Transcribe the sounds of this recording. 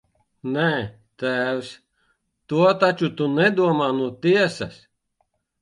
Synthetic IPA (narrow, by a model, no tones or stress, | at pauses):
nɛ | t̪æːws | t̪uɔt̪at͡ʃut̪unɛd̪uɔmaːnuɔt̪iɛsɐs